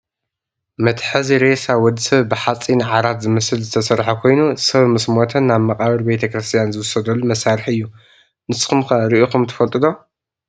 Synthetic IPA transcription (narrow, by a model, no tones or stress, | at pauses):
mɐt̪ħɨziɾesawɔd̪sɐβbɨħat͡sʼinʕaɾat̪zɨmɐsɨlzɨt̪ʰɐsɐɾħakʰo̞jnusɐβmɨsmot̪ʰɐnːaβmɐkʼaβɐɾbet̪ʰɐkɾɨst̪ʰʼijanzɨwʊsːɐd̪ɐlːumɐsaɾɨħɨjːu | nɨsɨ̥xɨmkɐɾɨʔokumt̪ʰɐ̥fɐlt̪ʼɨd̪o̞